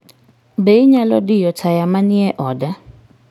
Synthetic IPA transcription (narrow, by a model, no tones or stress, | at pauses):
bɛiɲalɔdijɔtʰajamaniɛʔɔːda